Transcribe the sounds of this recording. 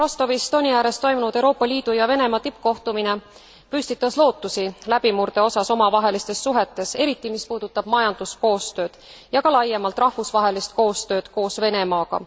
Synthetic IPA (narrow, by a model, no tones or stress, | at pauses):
ro̞st̪o̞vist̪o̞nʲijæːɾe̞st̪ːo̞jmunud̪̥e̞wɾo̞ːpːˑɑliːd̪̥ujɑve̞ne̞mɑt̪ip̚ːˑko̞ht̪umine | pysʲt̪it̪ːˑɑslo̞ːt̪ːusilæb̥imurd̪̥e̞o̞sɑso̞mɑvɑɦe̞list̪e̞sːuɦe̞t̪ːˑe̞se̞ɾit̪ːˑimispuːd̪̥ut̪ːˑɑb̥mɑjɑnd̪̥usko̞ːst̪ø̞ːd̪̥ | jɑkɑlɑjːemɑlt̪ˑrɑhvusvɑɦe̞list̪̚ko̞ːst̪ø̞ːd̪̥ko̞ːsve̞ne̞mɑːɡɑ̰